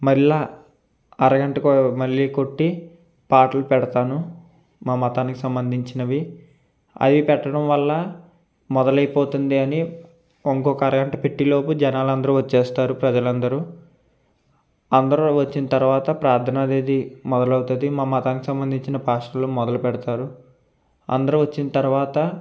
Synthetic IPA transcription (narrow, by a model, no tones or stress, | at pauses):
mɐɾilaː | ɐɾɐɡɐɳʈɐkmɐɭːiko̞ʈːi | paːʈɐlupɛɽɐt̪aːnu | maːmɐt̪aːniki̥sɐmbɐnd̪ʱiɲt͡ʃinɐʋi | ɐ̰d̪ipɛʈːɐɽɐmʋɐlːɐ | mɔd̪ɐlɐjpoːt̪und̪iɐni | oŋkɔːkɐɾɐɡɐɳʈɐpeʈːilo̞ːpud͡ʒɛnaːlɐnd̪ɐɾuʋɐt͡ʃːeːst̪aːɾupɾɐd͡ʒɐlɐnd̪ɐɾu | ɐnd̪ɐɾuʋɐt͡ʃːinɐt̪ɐɾuʋaːt̪ɐpɾaːɾt̪ʰːɐnaːd̪eːd̪imɔd̪ɐlɐwut̪ud̪imaːmɐt̪aːniki̥sɐmbɐnd̪ʱiɲt͡ʃinɐpaːʂɐloːmɔd̪ɐlupɛɽɐt̪aːɾu | ɐ̰nd̪ɐɾuʋɐt͡ʃːinɐt̪ɐɾuʋaːt̪ɐ